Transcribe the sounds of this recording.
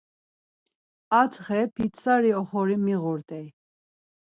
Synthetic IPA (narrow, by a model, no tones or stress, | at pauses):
at͡sχɛpʰit̪saɾiɔχɔɾimiɣuɾt̪ʼɛj